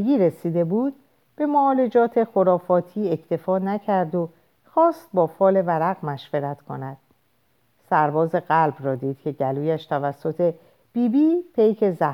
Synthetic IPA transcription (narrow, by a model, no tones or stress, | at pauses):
ɡiːɾesiːd̪e̞buːd̪̚ | b̥e̞moːle̞d͡ʒɒːt̪ʰe̞xo̞ɾɒːfɒːt̪ʰiːecʰt̪ʰe̞fɒːnæcʰæɾd̪o | xɒːst̪̚bɒːfɒːle̞væɾæɣmæʃveɾæt̪kʰo̰næd̪̥ | sæɾbɒːze̞ɣælbrɒːd̪iːd̪̥cʰe̞ɟæluːjæʃt̪ʰævæsːo̞t̪ʰe̞ | b̥iːbiːpʰejcʰe̞zæ